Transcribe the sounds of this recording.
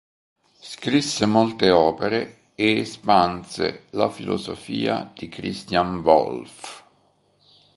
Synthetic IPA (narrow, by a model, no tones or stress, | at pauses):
skɾisːemolt̪eɔːpeɾe | eːspansḛlafilʔo̰zofḭːa̰d̪̥ikɾist̪janvɔ̰lf